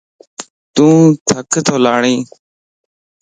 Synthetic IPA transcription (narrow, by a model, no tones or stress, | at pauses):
t̪ũːt̪ʰəkt̪ʰoːlaːɳĩː